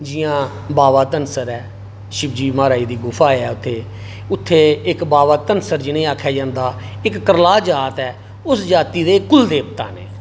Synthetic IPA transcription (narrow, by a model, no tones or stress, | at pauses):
d͡ʒɪjãː | baːʋaːt̪ənsəɾɛː | ʃɪbd͡ʒiːmaːɾaːiːd̪iːɡʊpʰaːɛːʊt̪ʰːeː | ʊt̪ʰːeːɪkbaːʋaːt̪ənsəɾd͡ʒɪnẽːaːkʰːjaːd͡ʒãːnd̪aːɪkːəɾlaːd͡ʒaːt̪ɛː | ʊsd͡ʒaːt̪iːd̪eːkʊld̪eːpt̪a̰ːnḛː